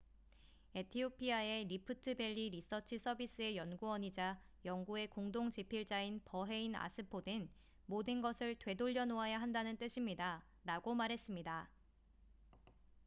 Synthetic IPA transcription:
etʰiopʰiae̞ɾipʰɯtʰɯbe̞ʎːiɾis͈ʰʌt͡ɕʰɯsʰʌbis͈ɯe̞jʌnɡuʌɲid͡ʑa | jʌŋɡue̞koŋdoŋd͡ʑipʰiɭt͡ɕ͈ainpʌɦe̞ina̰sʰɯpʰodɯn | modɯnɡʌsʰɯɭtwe̞doʎːʌnoɦajaɦandanɯnt͈ɯɕʰimɲida | ɾaɡomaɾɦe̞s͈ɯmɲida

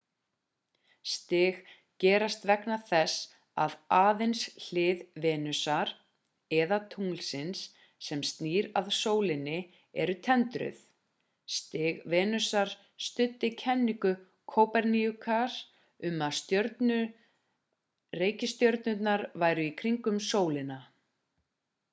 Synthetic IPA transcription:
st̪ɪɣ | cɛːɾast̪vɛknaθɛs | a̰ðaːðejnsl̥ɪːðvɛːnʏsaɾ̥ | ɛðat̪ʰuŋlsɪnsː | ɛmst̪niːɾaðsoːwlɪnːɪ | ɛɾʏt̪ʰɛnt̪ɾʏ̰θ | st̪ɪɣvɛːnʏsaɾ̥ | st̪ʏt̪ːɪcʰɛnːiŋkʏ | kʰowpɛɾniʏkʰaɾ̥ | ʏmaðst̪jœɾt̪nʏ | reːjcɪst̪jœɾt̪nʏt̪naɾvaːjɾʏikʰɾiŋkʏmsoːwlɪna

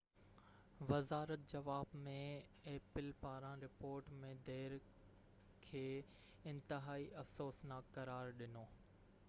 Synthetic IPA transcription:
ʋɐzaːɾət̪̚d͡ʑɐʋaːbmẽ | eːpɪlpaːɾãɾɪpoːɾʈmẽd̪ʱeːɾ | kʰeː | ɪ̃nt̪ɪɦaːiʔɐfsoːsnaːkkːɐɾaːɾɗɪnoː

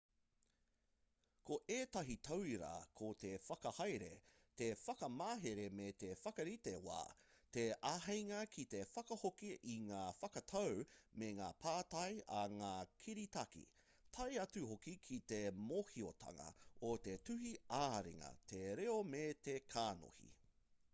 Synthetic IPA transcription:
kʰoʔeːtɐɦitʰɐwiɾɐ̰kʰot̪ʰefɐkɐhɐjɾḛ | t̪efɐkɐmaːɦeɾemet̪efɐkɐɾit̪ewa̰ː | t̪eaɦejŋɐkʰit̪e̞fɐkɐhokiʔiŋaːfɐkɐtʰɐwmeŋaːpʰaːtɐjɐŋaːkʰiɾitɐkḭ | tʰɐjɐt͡suɦokikʰit̪emoːhiot̪ʰɐ̰ŋɐ̰ot̪etʉhiaːɾḭŋɐ̰t̪ʰeɾeomet̪ekʰaːno̰hḭ

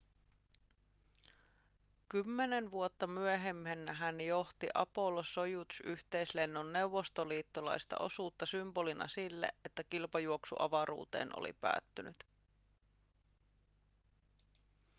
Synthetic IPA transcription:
kymːenenʋuot̪ːɑmyeɦemhenːæɦænjo̞ht̪iʔɑpo̞loso̞jut̪usyht̪e̞jsle̞nːonːe̞uʋːo̞st̪oliːt̪ːolɑ̰jst̪ɑ̰ʔo̞suːt̪ːɑsymbo̞linɑ̰silːḛʔe̞t̪ːækilpɑjuoksṵʔɑʋɑɾṵːt̪e̞̰ːnʔo̰lḭpæ̰ːt̪ːynyt̪

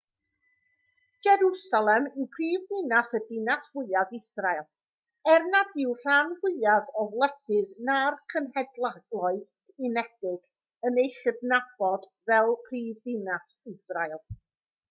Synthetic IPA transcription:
d͡ʒɛɾusalˠɛmɪwkʰriːvðɪnasədɪnasvʊɨaðɪsraɨlˠ | ɛrnadɪwr̥anvʊɨaðɔvlˠɛd̥ɨðnarkʰənhɛdlˠaɡlˠɔɨd̥ | inɛd̥ɪɡ̥ | ənejɬəbnab̥ɔdvɛlˠpʰriːvðɪnasɪsraɨlˠ

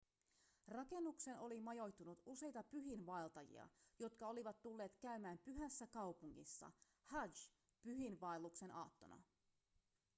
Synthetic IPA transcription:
rɑke̞nːukse̞no̞limɑjo̞jt̪ːunut̪use̞jt̪ɑpyɦinʋɑelt̪ɑjḭɑ̰jo̞t̪kɑo̞liʋɑt̪ːulːe̞ːt̪kæymæːmpyɦæsːækɑwpuŋːḭsːɑ̰ | hɑd͡ʒ | pyɦinʋɑelːukse̞nʔɑ̰ːt̪ːo̞̰nɑ̰

